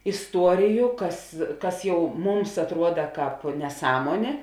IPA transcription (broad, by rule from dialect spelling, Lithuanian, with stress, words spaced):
ɪsˈtuɔrʲɪjʊ ˈkɐs ˈkɐs ˈjɛʊ ˈmʊms ɐtˈruɔdɐ ˈkɑːp nʲɛˈsɑːmuɔnʲeː